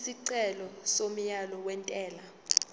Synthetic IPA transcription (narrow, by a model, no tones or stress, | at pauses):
siǀɛlɔsom̩jalɔwɛntʼɛːla